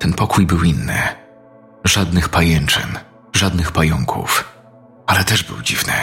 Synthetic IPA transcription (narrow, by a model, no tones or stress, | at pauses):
t̪ɛnpɔkʰujbɘwinːɘ̰ | ʐad̪nɘxpajɛnt͡ʂɛ̰n | ʐad̪nɘxpajɔŋkʰṵf | alɛt̪ɛʐbɘ̰wd͡ʑivnɘ̰